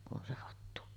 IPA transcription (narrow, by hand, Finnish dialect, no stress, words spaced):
kun ʔon se hɑtːu